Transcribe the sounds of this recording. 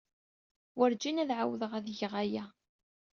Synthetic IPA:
wəɾd͡ʒinæðʕawðəʁæðjəʁæjæ

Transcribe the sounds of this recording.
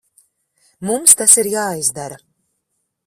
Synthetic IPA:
mumst̪asiɾjaːizd̪aɾa

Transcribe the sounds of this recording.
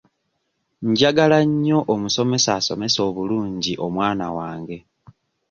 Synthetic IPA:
ɲɟaɡalaɲːo̞ʔomuso̞me̞saːso̞̰me̞so̞ːβuluːɲɟiʔo̞mwaːna̰waːŋɡe̞

